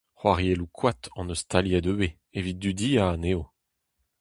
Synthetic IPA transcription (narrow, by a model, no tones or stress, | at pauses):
χwaʁjelukʰwat̪ɑ̃nost̪ʰaljɛd̪øbe | evit̚d̪yd̪iːaːneːo